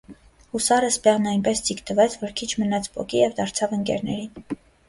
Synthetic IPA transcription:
husɑɾəspɛʁnɑjnpɛst͡sikt̪əvɛt͡sʰvɔɾkʰit͡ʃʰmənɑt͡sʰpɔ̰kijɛvd̪ɑɾt͡sʰɑvəŋkɛ̰ɾnɛ̰ɾin

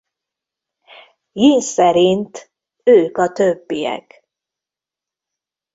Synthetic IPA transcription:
jinsɛɾint̪ | øːkɒt̪øbːijɛ̰k

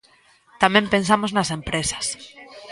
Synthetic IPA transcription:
t̪amẽmpẽns̬amoznasẽ̞mpɾesḁs

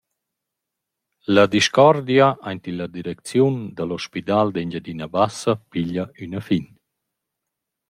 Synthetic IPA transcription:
lad̪iʃkɔɾd̪jaʔajnt̪ilad̪iɾɛk̚t͡sjund̪alɔʃpit̪ald̪eɲd͡ʑad̪inabasapiʎaynafin

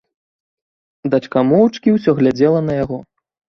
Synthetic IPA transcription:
d̪at͡ʂkamɔwt͡ʂkʲiwsʲɔɣlʲad͡zʲɛlˠɐnɐjaɣɔ

